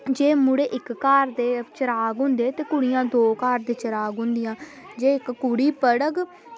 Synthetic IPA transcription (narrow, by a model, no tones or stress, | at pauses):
d͡ʒeːmʊɽeːʔɪkːaːɾd̪eːt͡ʃəɾaːɡɦʊ̃ːnd̪eːt̪eːkʊɽɪjãːd̪oːkaːɾd̪eːt͡ʃəɾaːɡɦʊ̃nd̪ɪjãː | d͡ʒeːɪkːʊɽiːpəɽəɡ